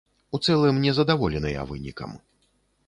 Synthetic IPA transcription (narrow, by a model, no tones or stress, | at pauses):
ut̪sɛlˠɨmnʲɛzɐd̪avɔlʲɛnɐja̰vɨ̰nʲikɐ̰m